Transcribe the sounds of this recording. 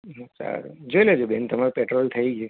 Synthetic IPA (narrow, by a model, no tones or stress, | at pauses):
ɦsa̰ɾd͡ʒoiled͡ʒobent̪əmaɾopɛʈɾolt̪ʰəiɡe